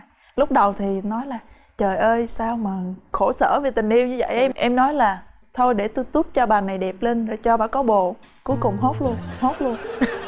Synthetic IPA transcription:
lʊ˦˥k͡p̚ɗə˨˩wt̪ʰi˨˩nɔ˨˦jlaː˨˩ | t͡ɕəː˨˩jʔəː˧jsaː˧wmaː˨˩xo˧˩sə̰ː˧˩ve˨˩t̪ï˨˩ŋ̟ʔi˧əwɲɨ˧˦zə̰˧˨jʔɛ˧ʔɛ˧mnɔ˨˦jlaː˨˩ | t̪ʰo˧jɗe˧˩t̪o˧jt̪u˦˥p̚t͡ɕɔ˧ɓaː˨˩na˨˩jɗɛ˨˩p̚le˧nzaː˨˩t͡ɕɔ˧ɓaː˧˨kɔ˨˦ɓo̰˧˨ | ku˨˦jkʊ˨˩ŋ͡mɦo˦˥t̚lu˧ənho˦˥t̚lu˧ən

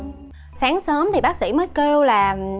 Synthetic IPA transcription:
saː˨˦ŋsəː˨˦mt̪ʰi˨˩ɓaː˦˥k̚sḭ˧˥˩məː˨˦jke˧wlaː˨˩

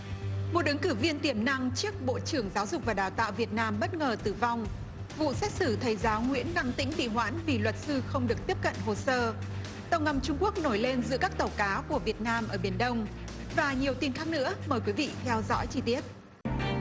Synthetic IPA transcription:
mo˨˩t̚ʔɨ˨˦ŋkɨ˧˩vi˧ənt̪i˧˩əmna˧ŋt͡ɕɨ˦˥ək̚ɓo̰˧˨t͡ɕɨ˧˩əŋzaː˨˦wzʊ˨˩k͡p̚vaː˨˩ɗaː˨˩wt̪a̰ː˧˨wvi˨˩ət̚naː˧mɓə˦˥t̚ŋəː˨˩t̪ɨ˨˩va˧wŋ͡m | vṵ˧˨sɛ˦˥k̚sɨ˧˩t̪ʰə˨˩jzaː˨˦wŋwḭ˧˥ənːa˧ŋt̪ḭ̈˧˥ŋ̟t̪ḭ˧˨ɦwa̰ː˧˥nvi˨˩lwə˨˩t̚sɨ˧xə˧wŋ͡mɗɨ˨˩ək̪̚i˦˥əp̚kə̰˧˨nɦo˨˩səː˧ | t̪ə˨˩wŋa˨˩mt͡ɕʊ˧ŋ͡mku˦˥ək̚no˧˩jle˧nzɨ̰˧˥əkaː˦˥k̚t̪ə˨˩wkaː˨˦ku˧˩əvi˨˩ət̚naː˧mʔəː˧˩ɓi˧˩ənɗə˧wŋ͡m | vaː˨˩ɲi˨˩əwt̪i˧˩nxaː˦˥k̚nɨ̰˧˥əməː˨˩jkwi˨˦vḭ˧˨t̪ʰɛ˧wzɔ̰˧˥jt͡ɕi˧t̪i˦˥ət̚

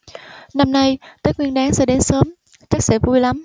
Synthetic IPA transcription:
na˧mna˧jt̪əː˨˦jk̚wi˧ənɗaː˨˦ŋsɛ̰˧˥ɗe˨˦nsəː˨˦m | t͡ɕa˦˥k̚sɛ̰˧˥vu˧jla˨˦m

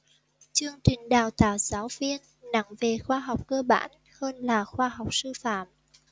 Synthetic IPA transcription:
t͡ɕɨ˧əŋt͡ɕï˨˩ŋ̟ɗaː˨˩wt̪a̰ː˧˨wzaː˨˦wvi˧ən | na̰˧˥ŋve˨˩xwaː˧ɦa˨˩wk͡p̚kəː˧ɓa̰ː˧˥n | həː˧nlaː˨˩xwaː˧ɦa˨˩wk͡p̚sɨ˧fa̰ː˧˨m

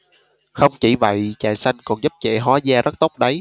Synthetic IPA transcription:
xə˧wŋ͡mt͡ɕi˧˩və̰˧˨jt͡ɕa̰ː˧˨jsa˧jŋ̟kɔ˨˩nzu˦˥p̚t͡ɕɛ̰˧˨ɦwa˨˦zaː˧zə˦˥t̚t̪o˦˥k͡p̚ɗə˨˦j

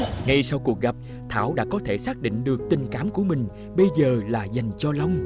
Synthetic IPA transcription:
ŋa˧jsa˧wku˨˩ək̚ɣa˨˩p̚ | t̪ʰa̰ː˧˩wɗa̰ː˧˥kɔ˨˦t̪ʰe˧˩saː˦˥k̚ɗḭ˧˨ŋ̟ɗɨ˨˩ək̚t̪ï˨˩ŋ̟kaː˨˦mku˧˩əmï˨˩ŋ̟ | ɓə˧jzəː˨˩laː˨˩za˨˩jŋ̟t͡ɕɔ˧la˧wŋ͡m

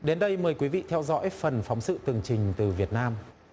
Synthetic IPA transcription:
ɗe˨˦nɗə˧jməː˨˩jkwi˨˦vḭ˧˨t̪ʰɛ˧wzɔ̰˧˥jfə˨˩nfa˨˦wŋ͡msɨ̰˧˨t̪ɨ˨˩əŋt͡ɕï˨˩ŋ̟t̪ɨ˨˩vi˨˩ət̚naː˧m

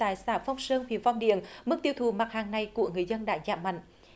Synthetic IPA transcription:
aː˧˩jsaː˧˩fa˧wŋ͡msəː˧nwḭ˧˩˨nva˧wŋ͡mɗḭ˧˨ənmɨ˦˥k̚t̪i˧əwt̪ʰu˨˩ma˨˩t̚haː˨˩ŋna˨˩jku˧˩əŋɨ˨˩əjzə˧nɗa̰ː˧˥zaː˧˩ma̰˧˨ŋ̟

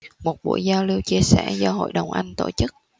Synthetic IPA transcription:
mo˨˩t̚ɓṵ˧˩əjzaː˧wli˧wt͡ɕi˧əsɛ̰˧˩zɔ˧ɦo̰˧˨jɗə˨˩wŋ͡mʔa˧jŋ̟t̪o̰˧˩t͡ɕɨ˦˥k̚

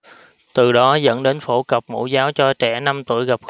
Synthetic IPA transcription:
t̪ɨ˨˩ɗɔ˨˦zə̰˧˥nɗe˨˦nfo˧˩kə˨˩p̚mṵ˧˥zaː˨˦wt͡ɕɔ˧t͡ɕɛ˧˩na˧mt̪ṵ˧˩əjɣa˨˩p̚x

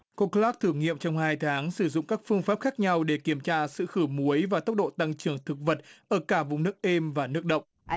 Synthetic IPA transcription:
ko˧klaː˦˥k̚t̪ʰɨ˧˩əŋḭ˧˨əmt͡ɕɔ˧wŋ͡mhaː˧jt̪ʰaː˨˦ŋsɨ˧˩zʊ̰˧˨ŋ͡mkaː˦˥k̚fɨ˧əŋfaː˦˥p̚xaː˦˥k̚ɲa˧wɗe˧˩ki˧˩əmt͡ɕaː˧sɨ̰˧˨xɨ˧˩mu˨˦əjvaː˨˩t̪ə˦˥wk͡p̚ɗo̰˧˨t̪a˧ŋt͡ɕɨ˧˩əŋt̪ʰɨ˨˩k̚və˨˩t̚ʔəː˧˩kaː˧˩vʊ˨˩ŋ͡mnɨ˦˥ək̚ʔe˧mvaː˨˩nɨ˦˥ək̚ɗə̰˧˨wŋ͡m

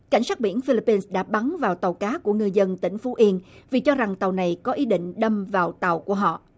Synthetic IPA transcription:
ka˧˩jŋ̟saː˦˥t̚ɓi˧˩ənfi˧li˧˥pːi˧nsɗa̰ː˧˥ɓa˨˦nvaː˨˩wt̪ə˨˩wkaː˨˦ku˧˩əŋɨ˧jzə˧nt̪ï˧˩ŋ̟fu˨˦ʔi˧ənvi˨˩t͡ɕɔ˧za˨˩ŋt̪ə˨˩wna˨˩jkɔ˨˦ʔi˨˦ɗḭ̈˧˨ŋ̟ɗə˧mvaː˨˩wt̪a˨˩wku˧˩əɦɔ̰˧˨

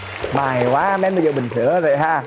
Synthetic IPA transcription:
maː˨˩jkwaː˨˦˧mɛ˧mː˨˩˨ə̰˨ɓï˨˩ŋ̟sɨ˧˦əzə̰˧˨jɦaː˧˩

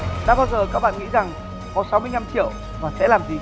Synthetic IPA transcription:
ɗa̰ː˧˥ɓaː˧wzəː˨˩ka˦˥k̚ɓa̰ː˧˨nŋḭ˧˥za˨˩ŋ | kɔ˨˦sa˨˦wmɨ˧əjɲa˧mt͡ɕḭ˧˨əw | vaː˨˩sɛ̰˧˥laː˨˩mzi˨˩

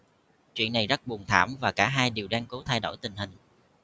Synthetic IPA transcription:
t͡ɕwḭ˧˨ənːa˨˩jzə˦˥t̚ɓu˨˩ənt̪ʰa̰ː˧˩mvaː˨˩kaː˧˩ɦaː˧jɗi˨˩əwɗaː˧ŋko˨˦t̪ʰa˧jɗo̰˧˩jt̪ï˨˩ŋ̟ɦï˨˩ŋ̟

